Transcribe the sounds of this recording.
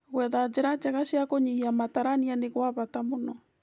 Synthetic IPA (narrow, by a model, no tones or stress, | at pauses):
ɣwɛðad͡ʒeɾad͡ʒaɣaɕjakoɲiiamataɾanianeɣwaβatamonɔ